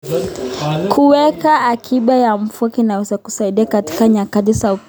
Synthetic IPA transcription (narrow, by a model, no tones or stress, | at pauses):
kʰuwɛkaːkʰiɓajam̩fuakinawɛzaku̥saiɗiakati̥kaɲakatisau